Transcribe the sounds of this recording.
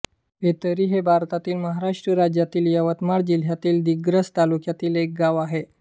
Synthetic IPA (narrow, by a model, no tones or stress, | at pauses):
ɦet̪əɾiːɦebʱaɾt̪at̪iːlməɦaɾaʂʈɾəɾad͡ʑjat̪iːljəʋət̪maɽd͡ʑil̤jat̪iːld̪iɡɾəst̪alukjat̪iːlek̚ɡaʋaɦe